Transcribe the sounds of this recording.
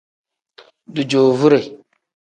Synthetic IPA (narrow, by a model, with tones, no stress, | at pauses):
du˨d͡ʒo˨vu˦ɾe˨